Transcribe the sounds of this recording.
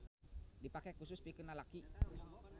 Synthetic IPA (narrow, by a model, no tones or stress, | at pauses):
dipakɛkusʊspikənalaki